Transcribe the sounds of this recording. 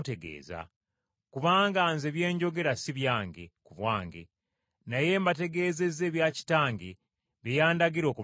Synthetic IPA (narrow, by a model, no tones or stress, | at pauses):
te̞ɡḛːza̰ | kuβaːŋɡaːnzeːβje̞ːɲɟo̞ɡe̞ɾasiβjaːŋɡḛkuβwaːŋɡḛ | naje̞ːmbate̞ɡe̞ːze̞zeːβjaːci̥taːŋɡe | βejaːndaɡiɾo̞ːku